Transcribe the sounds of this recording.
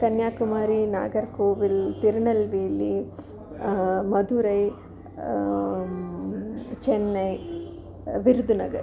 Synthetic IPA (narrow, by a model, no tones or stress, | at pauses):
k̪ɐnjaːkumaːɾina̰ːɡɐɾkoːʋilpiɾɳɐlʋeːli | mɐd̪uɾɐj | t͡ʃenːɐj | ʋiɾud̪ʱunɐ̰ɡɐɾ